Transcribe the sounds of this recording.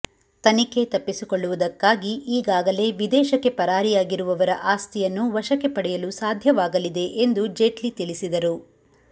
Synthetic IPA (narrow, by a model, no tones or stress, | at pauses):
t̪ɐnike̞t̪ɐpːisikoɭːuʋud̪ɐkːaːɡiʔiːɡaːɡɐle̞ːʋid̪ɛːʃɐkːe̞pɐɾaːɾijaːɡiɾuʋɐʋɐɾɐ̰ʔaːst̪ijɐnːuʋɐʃɐkːe̞pɐɽɛjɐlusaːd̪ʱjɐʋaːɡɐlid̪e̞ʔend̪ud͡ʒe̞ʈlit̪ilisid̪ɐɾu